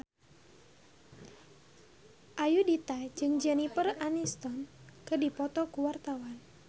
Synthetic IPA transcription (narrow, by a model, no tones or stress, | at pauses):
ʔajudit̪ad͡ʒɨŋd͡ʒɛnipəranist̪ɔnkɨdipɔt̪ɔkuwart̪awan